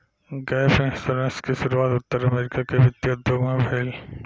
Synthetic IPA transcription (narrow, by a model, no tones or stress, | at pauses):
ɡɛːfẽsɐɾeskeʃʊɾuaːt̪ʊt̪ːəɾɐmeːɾɪkakeʋɪt̪ːjd̪ʱjoɡmãbʱeːl